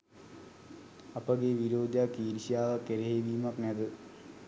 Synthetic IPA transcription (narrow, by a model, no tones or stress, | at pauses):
ɐpɐɡeʋiɾoːd̪jaːkːiːɾiɕijaːʋɐkːeɾeɦeʋiːumɐkned̪ɨ